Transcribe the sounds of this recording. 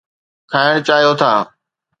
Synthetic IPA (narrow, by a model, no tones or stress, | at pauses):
kʰaːɪɽ̃t͡ɕaːɦijot̪ʰaː